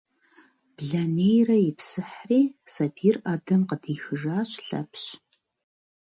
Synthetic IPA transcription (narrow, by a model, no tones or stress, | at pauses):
b̥ɮanejrɐjɪpsɨħriːsɐpʰiːrʔaːdɐmqədʰiːxɨʒaːɕɬɐ̰pɕ